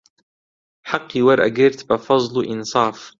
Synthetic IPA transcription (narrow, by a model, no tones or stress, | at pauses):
ħɑqːiwaɾˤʔa̰ɡɪɾt̪bafɑzˤlʔɪnsˤɑːf